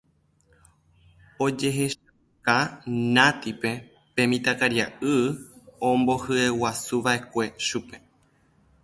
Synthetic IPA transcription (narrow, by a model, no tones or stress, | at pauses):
o̞d͡ʒe̞ɦe̞ʃa | kanãt̪ipe̞ | pẽ̞mĩt̪akaɾjaʔɨõmbo̞hɨewasuʋaʔe̞kʷe̞ʃupe̞